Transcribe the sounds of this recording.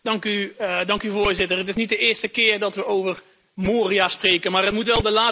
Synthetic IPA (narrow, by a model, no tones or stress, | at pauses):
d̥ɑŋkydɑŋkyvʊːɹzɪtərətɪsnit̚dəɪːɹstəkɪːrdɑtʋəowvər | moːriasprejkənmaːrɦətmutʋɛlˠdəlaː